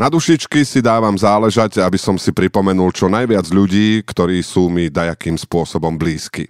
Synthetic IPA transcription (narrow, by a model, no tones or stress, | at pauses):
nad̪uʃit͡ʃkisid̪aːʋamzaːlɛʒaɟabisɔmsipɾipɔmɛnult͡ʃɔnajʋɪad͡zʎuɟiːkt̪ɔɾiːsuːmid̪ajakiːmspʊɔsɔbɔmbliːskḭ